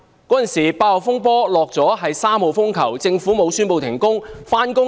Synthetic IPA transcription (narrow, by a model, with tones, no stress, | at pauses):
kɔː˨˥t͡sɐ˨nsiː˨˩paː˧ɔ˨˩fʊ˥ŋp̬ɔː˥lɔː˨k̚t͡sɔː˨˥ɦɐ˨jsaː˥mho˨˧wfʊ˥ŋkʰɐ˨˩wt͡sɪ˧ŋfuː˨˥mo˨˧wsyː˥npo˧wt̪ʰɪ˨˩ŋkʊ˥ŋfaː˥nkʊ˥